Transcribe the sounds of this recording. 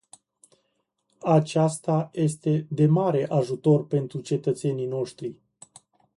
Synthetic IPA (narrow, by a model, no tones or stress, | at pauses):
at͡ʃast̪aje̞st̪e̞d̪e̞maɾe̞ʔaʒut̪o̞rpe̞nt̪ɾut͡ʃe̞t̪ət̪se̞nijno̞ʃt̪ɾi